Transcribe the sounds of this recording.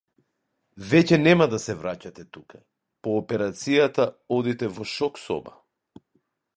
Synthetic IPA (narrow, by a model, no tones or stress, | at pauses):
vɛcɛnɛmad̪asɛvɾacat̪ɛt̪uka | pɔːpɛɾat̪sijat̪aɔd̪it̪ɛvɔʃɔksɔ̰ba̰